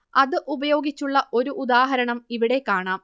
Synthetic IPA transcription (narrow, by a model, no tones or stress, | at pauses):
ɐðɨʔubɐjo̞ːɡit͡ɕːuɭːɐʔo̞ɾuʔud̪aːɦɐɾɐɳɐmiʋiɽe̞kːaːɳaːm